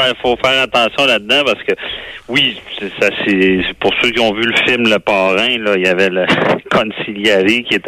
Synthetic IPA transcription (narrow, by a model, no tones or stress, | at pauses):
ɛfofɛːʁat̪ɑ̃sjɔ̃lad̪ːãpaʁsə̥kəwisesasepʊʁsøkʲiɔ̃vyləfɪlmləpɑːʁɛ̃lʌijavɛləkʰɔ̃nsiljeʁikʲjet̪